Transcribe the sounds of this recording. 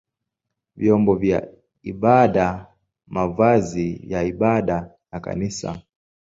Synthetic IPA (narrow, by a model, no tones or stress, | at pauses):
vjɔmbɔvja̰ | iɓaɗa | mavazijaiɓaɗa | naka̰nisa̰